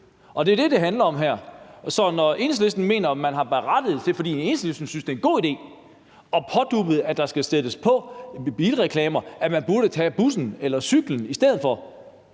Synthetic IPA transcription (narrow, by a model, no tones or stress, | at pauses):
ʔɒ̽d̥e̝ɐd̥e̝d̥e̝ɦænlɐɒ̽mɦæɐ̰sɒ̽nɒe̝nslesd̥n̩me̝̰ːnɐmænɦɑ̈b̥eʁɑd̥əð̞̩ˠt͡sʰe̝fɒ̽d̥ḭːne̝nslesd̥n̩synsd̥e̝enɡo̝̰ːid̥e̝̰ː | ɒ̽pʰɒ̽d̥ub̥ð̩ˠæd̥ɑ̈sɡ̥æsed̥əspʰɒ̽b̥iːlʁɛkʰlɛːmɐæmænb̥uɐɾ̥ət͡sʰɛ̰ːb̥usn̩elɐsyɡ̥ln̩isd̥eð̰̩ˠfɒ̽